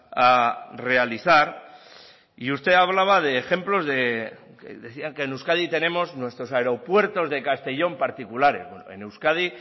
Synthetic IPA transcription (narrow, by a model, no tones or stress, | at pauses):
are̞aliθaɾ | iust̪e̞aβ̞laβ̞aðe̞ːxe̞mplo̞zðe̞ | kḛðeθiaŋke̞ːnuskaðit̪e̞nẽ̞mo̞znwe̞st̪ɾo̞saeɾo̞pwe̞ɾt̪o̞zðe̞kast̪e̞ʝo̞mpaɾt̪ikulaɾe̞̰βwḛnoḛnewskað̞i